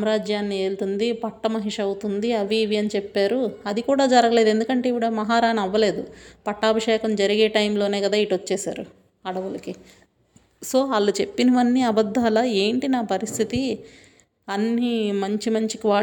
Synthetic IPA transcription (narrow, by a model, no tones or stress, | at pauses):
mɾaːd͡ʒjaːnːie̞ːlut̪und̪ipɐʈːɐmɐɦiʂɐwut̪und̪iɐʋiːʋijɐnit͡ʃepːaːɾuɐd̪ikuːɽaːd͡ʒɐɾɐɡɐle̞ːd̪e̞nd̪ukɐɳʈe̞ːiʋiɽɐmɐɦaːɾaːnɐʋːɐle̞ːd̪upɐʈːaːbɐʂɛːkɐmd͡ʒɐɾiɡeːʈɐjmlo̞ːne̞ːkɐd̪aːiʈʋot͡ʃːɛːsa̰ːɾu | ɐɽɐʋulɐki | so̞ːɐlːut͡ʃe̞pːinɐʋɐnːiɐbɐd̪ʱːaːlɐeːɳʈinaːpɐɾist̪ʰit̪i | ɐnːimɐɲt͡ʃimɐɲt͡ʃi̥kʋaː